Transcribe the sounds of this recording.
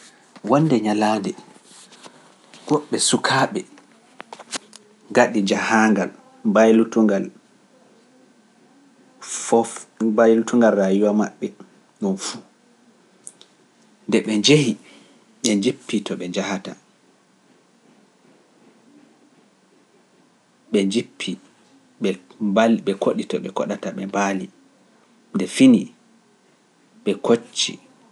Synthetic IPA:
wɔnːdɛɲalaːdɛ | ɡ̥ɔɓːɛsukʰaːɓɛ | ɡaɗid͡ʒahaŋɡal | bajlutuŋɡal | ɔbajlutuŋɡalːajuwamaɓːɛ | ɗɔnfu | ndɛɓɛɲd͡ʒehi | ɓɛɲd͡ʒipːitɔɓɛd͡ʒahata̰ | ɓɛd͡ʒipʰːi | ɓɛbaɓɛkʰoɗitɔɓɛkɔ̰ɗataɓɛbali | ndɛfini | ɓɛkʰot͡ʃːḭ

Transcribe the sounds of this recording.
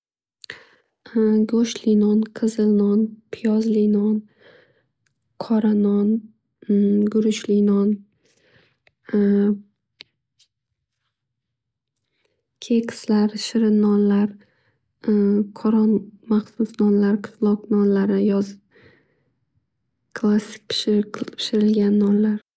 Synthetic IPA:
ɡoʃlinɒnqʰɨzɨlnɒnpʰɪjɒzlinɒn | qʰɒɾanɒn | ɡʊɾʊʃlinɒn | kʲʰekʲʰslaɾʃɪɾɪnːɒnlaɾ | qʰɒɾɒnmaχsʊsnɒnlaɾqʰɨ̥slˠɒqnɒnlaɾɪjɒz | kʰlˠasɪ̥k̚ʲpʰɪ̥ʃpʰɪ̥ʃɪɾɪlɡʲanːɒnlaɾ

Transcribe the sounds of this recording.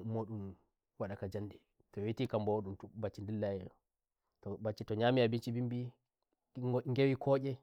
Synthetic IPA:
moɗum | waɗakad͡ʒandɛ | tɔwitikambawoɗumtubat͡ʃːindilːajɛɔ | tɔbat͡ʃːitɔɲamiabint͡ʃibimbi | ŋɡewikʰɔɟʲɛ

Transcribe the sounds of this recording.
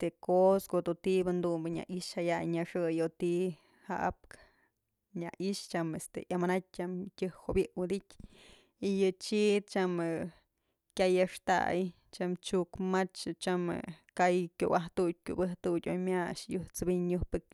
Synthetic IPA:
t̪ekoskod̪ut̪ibɨnd̪umbɨɲa̰ʔiʃhajajɲaʂɨjot̪i | ha̰ʔa̰p̚k | ɲa̰ʔiʃt͡ʃamest̪ḛʔjamanat̚ʲt͡ʃamtʲɨhhoʔbjɨʔwɨd̪itʲ | ijɨt͡ʃit̪̚t͡ʃamɨ | kʲajaʂt̪a̰j | t͡ʃamt͡ʃukmat͡ʃt͡ʃamɨ̰kajkʲo̰waht̪ud̚ʲkʲṵbɨht̪udʲo̰jmʲaʂjuht͡sɨbiɲɲuhpɨk̚

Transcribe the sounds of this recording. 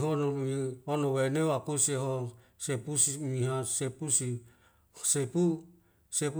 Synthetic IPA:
ɦonɔmionɔweneakusieɦosepusimiɦasepusi | sepu | sep

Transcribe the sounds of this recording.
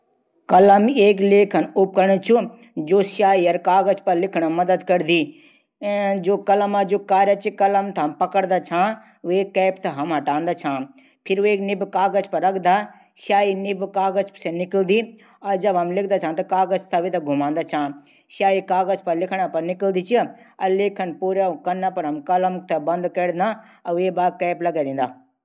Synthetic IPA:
kɐlɐmeːkleːkʰɐnʊp̚kɐɾɳ̃ət͡ʃʰu | d͡ʒoːʃaːiɐɾkaːɡəzpɐɾlɪkʰɽ̃amɐd̪əd̪kɐɾd̪iː | d͡ʒoːkɐləmad͡ʒoːkaːɾjɐt͡ʃikɐləmt̪ʰapɐkəɽd̪at͡ʃʰãː | eːkːɛːpt̪ʰɐɦɐmɦɐʈãːnd̪at͡ʃʰãː | pʰɪɾueːknɪbkaːɡəzpɐɾːɐkʰd̪aː | ʃaːinɪbkaːɣəzsenɪkəld̪i | ɐd͡ʒɐbɐmlɪkʰd̪aːt͡ʃʰãːt̪ɐkaːɣəzt̪ʰɐʋit̪ɐɡʱʊmãːnd̪aːt͡ʃʰãː | ʃaːikaːɣəzpɐɾlɪkʰɽ̃apɐɾnɪkəld̪it͡ʃʰiɐleːkʰənpuːɾakɐnapɐɾɦɐmkɐləmt̪ʰɐbɐ̃nd̪kɐɽnd̪a | ɐebaːkɛːplɐɡad̪ẽːnd̪aː

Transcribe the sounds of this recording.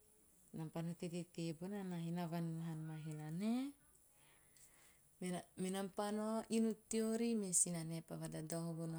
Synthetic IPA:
nampanot̪etet̪ebonanaɦinavanɦanmaɦinane | memenampanoʔinut̪ioɾimesinanepaβadadahoβon

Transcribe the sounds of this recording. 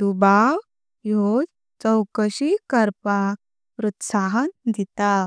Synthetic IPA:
d̪ubaw | jod͡z | t͡səwkəɕikəɾpak̚ | pɾut̪saɦənd̪it̪a

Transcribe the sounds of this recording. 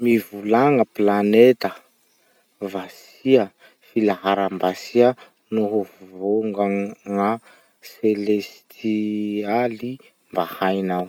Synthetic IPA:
mivulaŋəplanet̪ə | vas | iə | filaɦaɾambasiə | noɦovvoŋɡaŋa | selest̪ʰiali | mbahajnaw

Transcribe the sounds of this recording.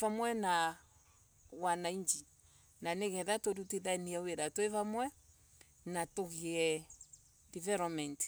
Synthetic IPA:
vamwɛna | wanaiɲd͡ʒi | naneɣɛðatoduteðaɛniɛweɾatwevamwɛ | natoɣiɛ | divɛlɔmɛnt

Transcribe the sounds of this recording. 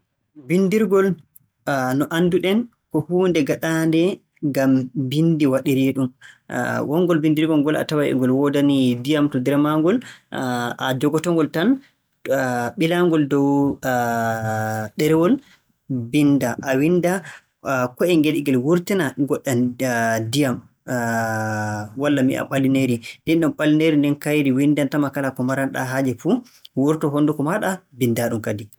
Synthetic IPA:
bindiɾɡɔl | nɔʔanduɗɛn | kɔhuːndɛɡaɗandɛ | ŋɡambindiwaɗiɾiɗum̰ | wʔɔŋɡɔlbindiɾɡɔlɡɔla̰tawajɛ̰ŋɡɔlwɔdanidijamtɔdɛɾmaŋɡɔl | ad͡ʒɔɡɔtɔŋɡɔltan | ɓilaŋɡɔldɔw | ɗɛɾɛwɔl | bindaʔawinda | kɔɛŋɡeɗiɡɛlwuɾtinaɡɔɗːandijam | walːamiʔa̰ɓalːineɾindɛnɗɔmɓalːineɾindɛnkajɾiwindantamakalakɔmaɾanɗa̰ɦad͡ʒɛfu | wuɾtɔɦɔndukɔmaɗabindaɗumkadi

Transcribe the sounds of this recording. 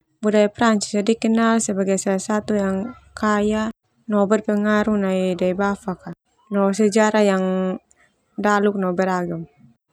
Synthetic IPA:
budaipɾaɲt͡ʃi̥sadikɛnalsɛbaɡajsalasat̪ujaŋ | kaja | nɔbɛrpɛŋaɾunaidaibafaka | nɔsɛd͡ʒaɾajaŋ | daluk̚nɔbɛraɡam

